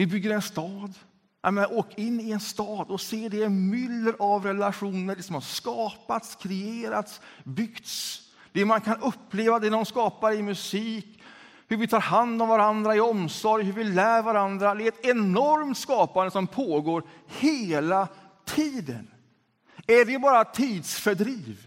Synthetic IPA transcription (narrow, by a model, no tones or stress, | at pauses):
vɪbʏɡːəɾɛnst̪ɑːd̪ | amɛnʔoːkaɪnːɪɛnst̪ɑːd̪ɔseːɖɛɛnmʏlːəɾʔavɾɛlaɧuːnəɾɖɛsɔmhaskɑːpat̪skʰɾɛeːɾat̪sbʏɡt̪s | d̪̥ɛmankʰanɵpːleːvad̪ɛd̪ɔmskɑːpaɾɪmɵsiːk | hɵɾvɪt̪ʰɑːɾɦand̪ɔmvaɾand̪ɾaɪɔmsɔɾjhʉɾvɪlæːɾvaɾand̪ɾad̪ɛɛt̪ɛnɔɾmt̪skɑːpand̪əsɔmpʰoːɡoːɾheːla | t̪ʰiːd̪ə̰n | æɖɛbɑːɾat̪ʰiːd̪sfœɖɾiːv